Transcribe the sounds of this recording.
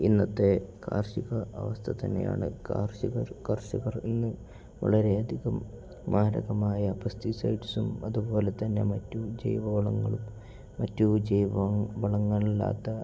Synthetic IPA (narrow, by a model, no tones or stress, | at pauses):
inːɐt̪ːe̞kʰa̰ːrɕiɣɐʔɐʋɐst̪ʰɐt̪ɐnːeja̰ːɳɨ̰ka̰ːrɕiɣɐrkɐrɕiɣɐrinːɨ | ʋɐ̰ɭɐɾe̞ɐd̪ʱiɣɐmː | aːɾɐ̰ɣɐmaːjɐpɐst̪isɐ̰jʈisumɐðubo̞ːle̞t̪ɐnːe̞̰mɐtːud͡ʑḛjʋɐʋɐɭɐŋːɐɭu | mːɐtːud͡ʑejʋbɐɭɐŋːɐɭilːa̰ːt̪ːɐ